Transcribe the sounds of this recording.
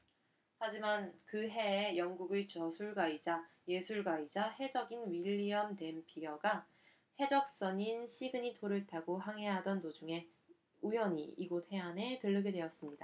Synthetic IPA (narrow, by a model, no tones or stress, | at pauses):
had͡ʑimankɯɦe̞ːjʌŋɡuɡet͡ɕʌsʰuɭɡaid͡ʑa | je̞sʰuɭɡaid͡ʑahe̞d͡ʑʌɡinɥiʎːiʌmde̞mpʰijʌɡa | he̞d͡ʑʌk̚s͈ʌɲinɕʰiɡɯɲitoɾɯɭtʰaɡoɦaŋɦe̞ɦadʌndod͡ʑuŋe̞ | ujʌɲḭiɡot̚he̞ɦane̞tɯɭːɯɡedwe̞jʌs͈ɯmɲida